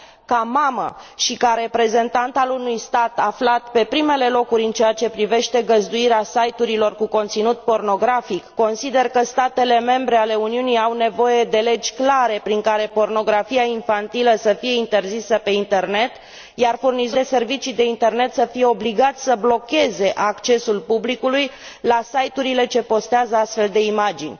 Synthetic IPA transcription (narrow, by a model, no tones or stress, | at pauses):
kamamə̰ʃikaɾe̞pɾe̞ze̞nt̪ant̪alunujst̪at̪aflat̪pe̞pɾime̞le̞lo̞kuɾʲɨnt͡ʃeat͡ʃe̞pɾive̞ʃt̪e̞ɡəzd̪uiɾeasajt̪uɾilo̞rkuko̞nt̪sinut̪̚po̞rno̞ɡɾafikːo̞nsid̪e̞rkəst̪at̪e̞le̞me̞mbɾe̞ale̞uniuniawne̞vo̞je̞d̪e̞le̞d͡ʒʲklaɾe̞pɾiŋkaɾe̞po̞rno̞ɡɾafiaiɱfant̪iləsəfije̞int̪e̞rzisəpe̞int̪e̞rne̞t̪ | jarfurnizd̪ese̞rvit͡ʃijd̪e̞int̪e̞rne̞t̪səfije̞o̞bliɡat̪sʲsəblo̞kʲe̞ze̞ʔakt͡ʃe̞sulpublikulujlasajt̪uɾile̞t͡ʃe̞po̞st̪eazəast̪fe̞ld̪e̞imad͡ʒinʲ